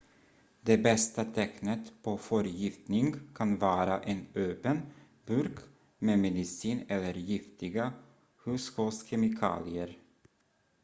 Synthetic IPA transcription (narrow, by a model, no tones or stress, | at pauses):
d̪ebɛst̪at̪ʰɛknət̪pʰofœɾjɪft̪nɪŋkʰɑnvɑːɾaʔeːnøːpən | bʉɾk | meːmɛd̪ɪsiːnɛlːəɾjɪft̪ɪɡa | hʉshʉːskʰɛmɪkʰɑ̰ːlɪəɾ